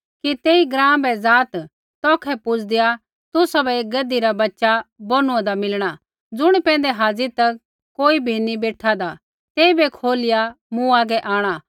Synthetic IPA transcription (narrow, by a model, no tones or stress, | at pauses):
kit̪eːiɡɾãːbɛd͡zaːt̪ | t̪ɔːkʰɛpʊt͡sʰd̪ɪja | t̪ʊsabɛeːk̚ɡɐd̪iɾabɐtːʃabonũɛ̃d̪amɪlɽ̃a | d͡zʊɽ̃ipɛ̃ːnd̪ɛɦaːd͡zit̪ɐ | koːibʱinibeːʈʰad̪a | t̪eːibekʰoːlɪja | mũaːɡɛʔaːɽ̃a